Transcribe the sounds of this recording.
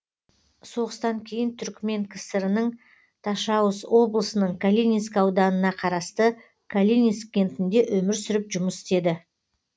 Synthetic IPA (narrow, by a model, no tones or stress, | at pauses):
so̞ʁəst̪ɑŋkʲʰe̞jɪnt̪ʰʏɾkʲme̞ŋkʲʰɪsɪɾɪnəɴ | t̪ʰɑʃɑwəswo̞blˠəsənəɴkʰalʲinʲiskɑwd̪ɑnənɑqʰɑɾɑst̪ə | kʰalʲinʲisk̚ʲe̞nt̪ɪnd̪e̞ʔɵmɪɾsʏɾɪpʒʊməsɪ̥t̪e̞d̪ɪ